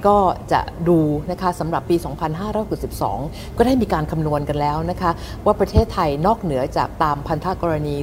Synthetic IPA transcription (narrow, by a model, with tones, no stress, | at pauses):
kɔː˥˩t͡ɕa̰˨˩ʔduː˧na˦˥kʰa˦˥sa˩˦mɾa˨˩pːiː˧sɔː˩˦ŋpʰa˧nɦaː˥˩ɾɔː˦˥jho˨˩t̚si˨˩p̚sɔ̰ː˩˦ŋ | kɔː˥˩daː˥˩jmiː˧kaː˧nkʰa˧mnu˧ənka˧nlɛː˦˥wna˦˥kʰa˦˥ | waː˥˩pɾa˧t̪ʰeː˥˩t̪ʰːa˧jnɔː˥˩k̚nɯ˩˦ɐt͡ɕa̰ː˨˩k̚t̪aː˧mpʰa˧nt̪ʰa˦˥kɔː˧ɾa˧niː˧